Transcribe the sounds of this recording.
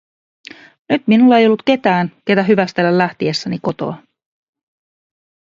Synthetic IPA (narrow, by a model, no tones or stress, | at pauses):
nyt̪minulːɑe̞jo̞lːut̪ke̞t̪æːnke̞t̪æɦyʋæst̪elːællːæht̪iesːæniko̞t̪o̰ɑ